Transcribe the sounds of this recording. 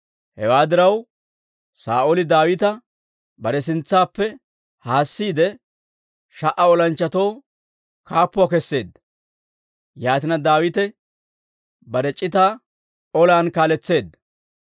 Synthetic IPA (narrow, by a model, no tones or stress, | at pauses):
hɛ̰waːd̪ɪɾɐw | sa̰ːʔolɪd̪aːwɪt̪ɐ | bɐɾɛs̬ɪnt͡sːaːpːɛ | haːsːiːd̪ɛ | ʃɐʔɐɔlɐnt͡ʃːɐt̪owː | kaːpːʊakɛsːe̞ːd̪ːɐ̥ | jaːt̪ɪnɐd̪aːwɪt̪ɛ | bɐɾɛt͡ʃʼːɪt̪aː | ɔlaːnkaːlɛt͡sːe̞ːd̪ːɐ̥